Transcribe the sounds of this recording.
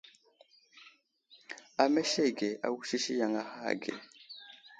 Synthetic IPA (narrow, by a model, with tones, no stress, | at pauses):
a˨me˦ʃe˦˨ɡe˨ʔa̰˨wu˦ʃi˦ʃi˦ja˨ŋa˦ha̰˦˨ɡḛ˨